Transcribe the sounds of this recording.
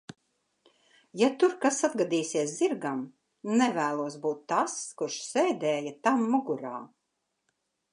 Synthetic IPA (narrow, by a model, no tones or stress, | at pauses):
jat̪uɾkasad̪ɡad̪iːsiɛsziɾɡam | nɛvæːlˠuɔsbuːt̪ːaskuɾʃsɛːd̪ɛːjat̪amːuɡuɾaː